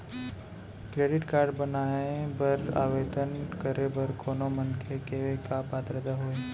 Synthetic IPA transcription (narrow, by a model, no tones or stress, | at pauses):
kɾeːɖɪʈkaːɾɖbənaːebɐɾa̰ːʋeːt̪ənkəɾʔebəɾkoːnomənkʰekeekapaːt̪ɾəd̪aɦoːe